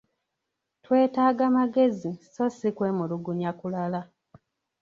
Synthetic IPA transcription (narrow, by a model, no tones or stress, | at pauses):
twe̞ːtaːɡamaɡe̞ziso̞sikwe̞ːmuluɡuɲakulala